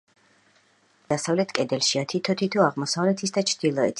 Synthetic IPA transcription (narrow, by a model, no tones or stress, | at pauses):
d̪̥asavlɛt̪ʰkʼɛd̪ɛlʃiat̪ʰit̪ʰɔt̪ʰit̪ʰuaʁmɔsavlɛt̪ʰisd̪at͡ʃʰd̪̥ilˠɔɛt̪ʰ